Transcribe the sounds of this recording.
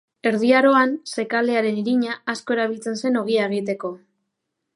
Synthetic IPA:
e̞ɾð̞iaɾo̞anse̞kale̞aɾe̞niɾiɲaːsko̞e̞ɾaβilt͡se̞nse̞no̞ɣ̞iae̞ɣit̪e̞ko̞

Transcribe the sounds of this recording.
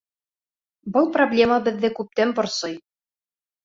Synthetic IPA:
bɤlˠproblʲe̞məbɘ̆ðːɘkʉp̚t̪ænbŏɾsɤj

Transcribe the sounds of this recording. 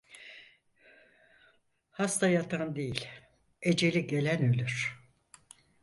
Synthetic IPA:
hast̪ʰajat̪ʰand̪ejilʲ | ed͡ʒe̞lʲiɟe̞lʲænølʲyɾ̥

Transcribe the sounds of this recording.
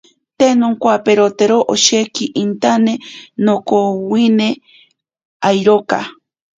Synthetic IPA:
t̪enoŋkwapeɾot̪eɾoʔoʃekiʔint̪anenokowine | ajɾoka̰

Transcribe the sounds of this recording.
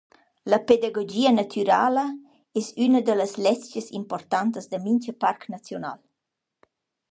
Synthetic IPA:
ləped̪aɡod͡ʒiːənat̪ʰyɾaːlə | ɛsynəd̪ələslɛst͡ʃjəsḭmport̪ant̪əzd̪əmint͡ʃəparknat͡sjona̰l

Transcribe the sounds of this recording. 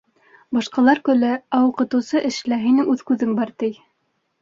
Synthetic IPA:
bɑʃqɑlˠɑɾkɵ̆lɘæwuqɤ̆t̪ɤ̆wsɤʔɘ̆ʃlæɦinɘŋʉðkʉðɘŋbɑɾt̪ɘj

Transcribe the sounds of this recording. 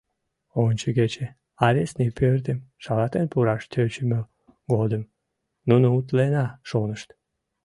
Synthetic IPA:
onʲt͡ʃəɡʲet͡ɕe | ɑɾʲesnipʰørd̪emʃɑlɑt̪enpuɾɑʃt̪ʰøt͡ɕymø | ɡod̪əm | nunuut̪lenɑʃonəʃt̪

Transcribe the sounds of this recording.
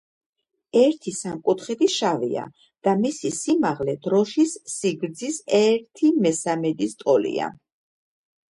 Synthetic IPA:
ɛɾt̪ʰisamkʼut̪χɛd̪iʃavḭa̰ | d̪̥amisisimaʁlɛd̪̥ɾɔʃisːiɡɾd̪zisɛɾt̪ʰimɛsamɛd̪ist̪ʼɔlḭa̰

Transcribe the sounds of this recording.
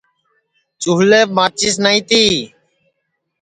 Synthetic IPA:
t͡ʃuːleːmaːt͡ʃiːs̬naːĩːt̪iː

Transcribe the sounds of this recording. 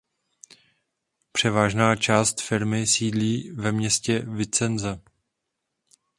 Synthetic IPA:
pr̝̥ɛvaːʒnaːt͡ʃaːst̪fɪɾmɪsiːdliːvɛmɲɛscɛvɪt͡sɛnzɛ

